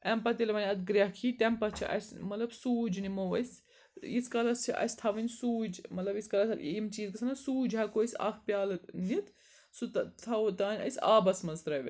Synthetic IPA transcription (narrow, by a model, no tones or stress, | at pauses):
ɛmpɐt̪ilʲmɐnʲɐt̪ɡɾɐkʰiːt̪ʲɛmpɐt͡ʃʰḭʔɐ̰sʲmɐt̪lɐbsuːd͡ʒnimɐʋɐsʲ | iskɐlɐst͡ʃʰiʔɐ̰sʲt̪ʰɐʋɐnʲsuːd͡ʒmɐt̪lɐbiskɐlɐsɐiːmt͡ʃiːzkɐsʰɐnɐsuːd͡ʒɦɐkoisʲɐ̰kʰpʲjaːlnit̪ | sut̪t̪ʰɐt̪aːnʲɐ̰sʲaːbɐsmɐnzt̪ɾɐʋʲḭ